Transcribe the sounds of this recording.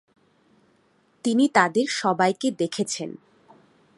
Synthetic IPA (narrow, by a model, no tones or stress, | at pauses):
t̪init̪ad̪eɾʃɔbajked̪ekʰet͡ɕʰen